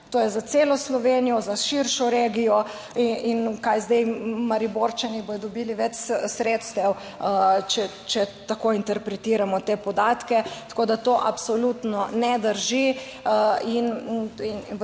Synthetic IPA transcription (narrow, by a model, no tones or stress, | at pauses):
t̪oːjɛzat̪seːlɔslɔʋenijɔzaʃiɾʃɔɾeɡijɔ | iinkajzd̪ɛjmaɾiboːɾt͡ʃanibojɔd̪ɔbiːliʋɛt͡ʃsɾet̪st̪ɛw | t͡ʃɛ | t͡ʃɛt̪akoint̪ɛɾpɾɛt̪iːɾamɔt̪eːpɔd̪aːt̪kɛt̪ḁkoːd̪at̪oːʔapsɔlut̪nɔnɛd̪əɾʒi | inin